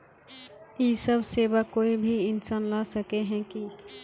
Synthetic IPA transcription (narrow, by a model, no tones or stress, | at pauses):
jiːsəbʱseːʋakoːibʱiɪnsaːnlasəkeɦɛ̃ki